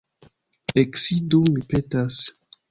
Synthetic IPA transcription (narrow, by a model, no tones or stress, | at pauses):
eksidomipetas